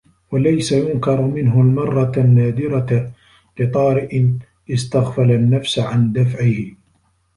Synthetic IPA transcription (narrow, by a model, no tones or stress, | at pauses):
walajsajʊnkɑɾˤmɪnɦʊlmɑrˤːɑnːaːd̪ɪɾa | lɪt̪ˤɑːɾɪʔɪ | ɪst̪aɣfalanːafsʕand̪afʕɪhɪ